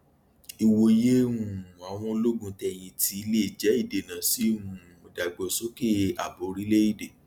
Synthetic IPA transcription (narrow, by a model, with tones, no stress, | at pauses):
i˨wo˧˦je˦wũ˦˨a˨w̃ɔ̃˧˦lo˦ɡũ˧tɛ˧˨j̃ĩ˧ti˨˦i˧˦le˦˨d͡ʒɛ˨˦i˦˨de˨nã˨si˨˦wũ˦˨ɔ˨da˨ɡ͡bɔ˧sɔ˦ke˦a˨bo˨˦ɾi˦le˦i˦˨de˨